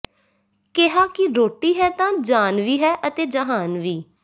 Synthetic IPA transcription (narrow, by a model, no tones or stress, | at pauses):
kɪɦaːkɪɾoːʈiːɦɛːt̪ãːd͡ʒaːnʋiːɦɛːʔət̪eːd͡ʒəɦaːnʋiː